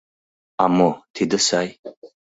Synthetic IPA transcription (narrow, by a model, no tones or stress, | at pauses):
amɔtʰid̪ɨsaj